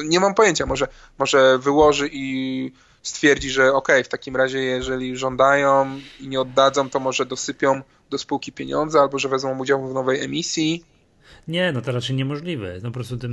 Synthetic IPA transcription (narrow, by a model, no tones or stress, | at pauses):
ɲɛmampɔjeɲt͡ɕamɔʐɛ | mɔʐɛvɘwɔʐɘʔi | st̪fʲjɛɾd͡ʑiʐɛɔkɛjft̪akʲimɾaʑɛjɛʐɛlʲiʐɔnd̪ajɔ̃iɲɛɔd̪ːad̪zɔ̃w̃t̪ɔmɔʐɛd̪ɔsɘpʲjɔ̃w̃ | d̪ɔspuwkʲipʲjeɲɔ̰nd̪zɘalbɔʐɛvɛzmɔ̃w̃ud͡ʑawuvnɔvɛjɛmʲisʲji | ɲɛnɔt̪ɔɾat͡ʂɛjɲɛmɔʐlʲivɛ̰npɔpɾɔst̪ut̪ɘm